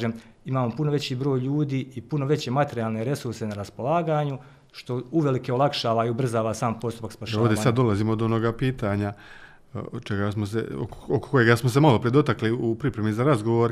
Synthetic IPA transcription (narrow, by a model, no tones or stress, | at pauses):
ʒem | imaːmo̞punoʋe̞t͡ɕiːbɾo̞ːjʎuːd̪iːipuno̞ʋe̞t͡ɕe̞mat̪e̞ɾijaːlˠne̞ɾe̞suɾse̞naɾaspo̞lˠaːɡaːɲu | ʃt̪o̞uʋe̞like̞olˠakʃaːʋaiubr̩zaːʋasaːmpo̞st̪u̥pakspaʃovd̪esad̪d̪ːo̞lˠaziːmod̪onoɡapiːt̪aɲa | t͡ʃeɡasmos̬ḛo̰koko̥kojeɡasmos̬e̞malo̞pɾed̪o̞t̪akliupɾipɾe̞mizaɾazɡo̞ʋoɾ